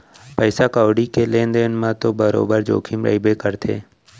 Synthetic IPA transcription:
pəːɪsakaːɽikelẽːnd̪eːʊnmãt̪obəɾo̰ːbəɾd͡ʒo̰ːkʰimɾə̰ibekəɾt̪ʰḛː

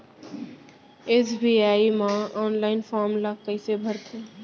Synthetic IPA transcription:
eːsbiaːimãɔːnlaːɪnfʰɔːɾmlakəɪsebʱəɾt̪ʰe

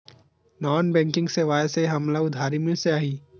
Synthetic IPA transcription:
nɔːnbɛ̃ːŋkɪ̃ŋɡseʋaːɪseɦɐmlaʊd̪ʱaːɾimɪlseaːɦiː

